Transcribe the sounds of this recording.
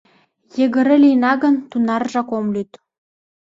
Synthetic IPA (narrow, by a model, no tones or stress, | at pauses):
jĕɣə̆ɾɘ̆lʲinɑɣə̆nt̪unɑrʒɑkomlyt̪